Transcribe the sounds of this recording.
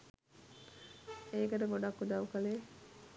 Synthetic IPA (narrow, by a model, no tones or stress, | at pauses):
eːkəʈəɡoɖakːud̪aʋukəleː